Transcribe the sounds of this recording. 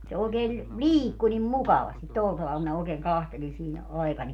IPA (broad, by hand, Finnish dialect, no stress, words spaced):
se oːkeːl liːkːu nim mukɑʋɑstit tol tɑʋɑl minæ oːkeːŋ kɑhteli siːnæ ɑi̯kɑnʲ